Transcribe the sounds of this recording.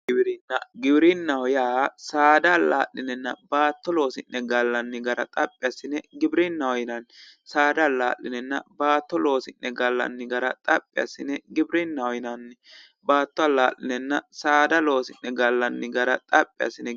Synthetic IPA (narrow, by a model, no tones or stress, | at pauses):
ɪbɾɪnːɐɡɪbɾɪnːɐwɔjaːsaːd̪aːla̰ːʔːɪnɛnːɐbaːt̪ːɔlo̞ːsɪnːɛɡɐlːɐnːɪɡɐɾɐ̰t̪ʼɐpʼːɪjasɪnɛɡɪbɾɪnːɐwɔjɪnɐn | saːd̪aːla̰ːlːɪnɛnːɐ̰baːt̪ːɔlo̞ːsɪnːɛɡɐlːɐ̰nːɪɡɐɾɐ̰t̪ʼɐpʼːɪjɐ̰sɪnɛɡɪbɾɪnːɐwɔjɪnɐnːɛ | baːt̪ːɔɐlaːʔɪnɛnːɐsaːd̪ɐlo̞ːsɪnːɛɡɐlːɐnːɪɡɐɾɐt̪ʼɐpʼːɪjɐ̰sɪnɛ